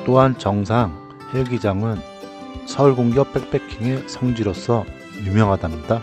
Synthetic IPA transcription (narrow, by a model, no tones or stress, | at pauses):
t͈oɦant͡ɕʌŋsʰaŋ | he̞ɡid͡ʑaŋɯn | sʰʌɭɡoŋd͡ʑjʌp͈ʰek̚p͈e̞kʰiŋe̞sʰʌŋd͡ʑiɾos͈ʰʌ | jumjʌŋɦadamɲida